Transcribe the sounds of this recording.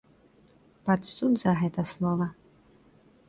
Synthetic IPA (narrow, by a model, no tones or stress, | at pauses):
pat̪sud̪zɐɣɛt̪ɐslˠɔvɐ